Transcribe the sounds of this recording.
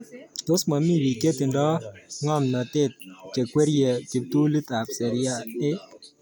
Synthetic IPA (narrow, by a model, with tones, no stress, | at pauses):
to˦sma˨mi˦wi˨ke˦tɪ˨ndɔ˦ŋɔ˦mna˨tɪ˦t̚t͡ʃe˨kwe˦ɾjɛ˨t͡ʃi˨p̚tu˦li˦t̪a˨p̚sɛ˨ɾɪ˦a˦ɪ˦